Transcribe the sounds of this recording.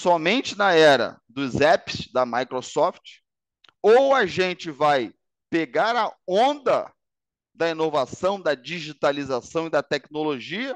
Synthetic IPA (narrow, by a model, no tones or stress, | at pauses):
sɔmẽnt͡ʃɪnɐɛɾɐ̰d̪ʊzɛpɪ̥sd̪ɐmajkɾosɔft͡ʃɪ̥ | owɐʒẽnt͡ʃɪvaj | peɡaɾɐõnd̪ɐ | d̪ɐinovasɐ̃w̃d̪ɐd͡ʒiʒit̪alizasɐ̃w̃ɪd̪ɐt̪ɛknoloʒiɐ